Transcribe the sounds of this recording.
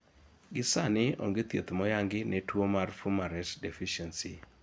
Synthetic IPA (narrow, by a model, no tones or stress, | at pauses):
ɡɪsanɪo̰ŋɡet̪jet̪mɔjaŋɡɪnetwomarfumaɾɛtdefiʃɛnsi